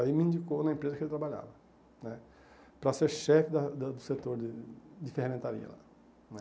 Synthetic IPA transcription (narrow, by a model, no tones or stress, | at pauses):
aimɪĩnd͡ʒikonɐẽmpɾezɐkɪelt̪ɾabaʎa̰vɐ | nɛ | pɾɐseɾʃɛfɪd̪ɐd̪ɐd̪ʊset̪oɾɪd͡ʒɪfehamẽnt̪aɾḭɐ̰la̰ | nɛ